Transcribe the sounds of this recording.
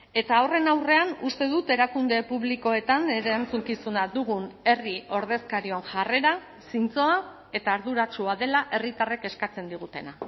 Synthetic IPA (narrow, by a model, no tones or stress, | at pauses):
e̞t̪aore̞nawre̞anust̪e̞ðut̪e̞ɾakund̪e̞puβliko̞e̞t̪aneɾant͡suŋkisunaðuɣ̞une̞rio̞ɾð̞e̞skaɾionʝare̞ɾa | sint͡so̞a | e̞t̪aːɾðuɾat͡ʃuaðe̞laʔe̞rit̪areke̞skat͡se̞nd̪iɣ̞ut̪e̞na